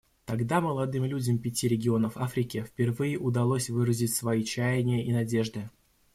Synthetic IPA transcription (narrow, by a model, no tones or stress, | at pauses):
t̪ɐɡd̪aməlˠɐd̪ɨmlʲudʲɪmpʲɪtʲiɾʲɪɡʲɪo̞nəfafɾʲɪkʲɪfʲpʲɪrvɨjɪʔʊd̪ɐlˠosʲvɨɾəzʲɪtʲsvɐit͡ɕæjɪnʲɪjəʔinɐdʲe̞ʐd̪ɨ